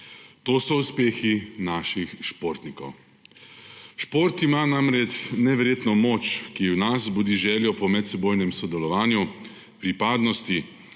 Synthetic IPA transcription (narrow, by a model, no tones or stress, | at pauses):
t̪oːsɔuspeːxinaʃixʃpoɾt̪nikɔ̰w | ʃpoːɾt̪imanamɾɛt͡ʃnɛʋɛɾjeːt̪nɔmot͡ʃkiwnazbud̪iːʒɛːljɔpɔmɛt̪sɛboːjnɛmsɔd̪ɛlɔʋaːnju | pɾipaːd̪nɔst̪i